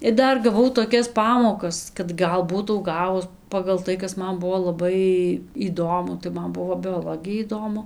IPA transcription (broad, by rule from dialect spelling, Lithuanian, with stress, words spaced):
ɪr ˈdɐr ɡɐˈʋɐʊ toːˈkʲɛs ˈpɑːmoːkɐs kɐt ˈɡɐlˠ ˈbuːtɐʊ ˈɡɑːʋʊs pɐɡɐlˠ ˈtɐɪ ˈkɐs ˈmɐn ˈbʊʋoː lˠɐˈbɐɪ iːˈdoːmʊ tɐɪ ˈmɐn ˈbʊʋoː bʲoːˈlˠoːɡʲɪjɛ iːˈdoːmʊ